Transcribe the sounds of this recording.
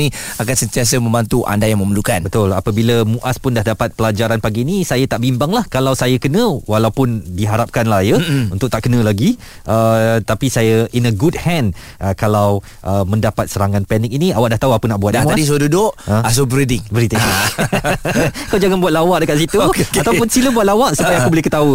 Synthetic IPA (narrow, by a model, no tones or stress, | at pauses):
ni | akansənt̪ias̬əmə̃mbant̪uʔa̰ndajaŋməməlukanbət̪ʊlapəbiləmũʔaspʊndahdapat̪̚pəlad͡ʒaɾanpaɡiːnisajat̪aʔbimbaŋlahkalawsajakənə̃walawpʊndiɦaɾap̚kanlajəunt̪ʊk̚t̪aʔkənə̃laɡi | ʔət̪apisajəʔinəɡud̚hɛ̃n | əkalaw | ʔəmə̃ndapat̪̚səɾaŋãnpɛnɪk̚iniawaʔ̚daht̪auapunaʔbuat̪amadis̬odudʊʔəas̬obɾidɪŋbɾit̪i | kawd͡ʒaŋanbuat̪lawaʔ̚dəkat̪s̬it̪uat̪awpʊnsiləbuat̪̚lawaʔsupajaakubolɪhkət̪au